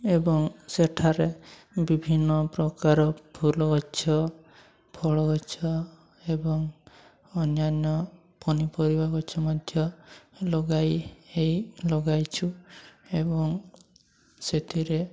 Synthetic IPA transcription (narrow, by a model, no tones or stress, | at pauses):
ebɔŋseʈʰaɾe | bibʱinːɔpɾɔkaɾɔpʰulɔɡɔt͡ʃʰɔ | pʰɔɭɔɡɔt͡ʃʰɔ | ebɔŋ | ɔnjanjɔ | pɔnipɔɾibaɡɔt͡ʃʰɔmɔd̪ʱjɔlɔɡajejlɔɡajt͡ʃʰuebɔŋ | set̪ʰiɾe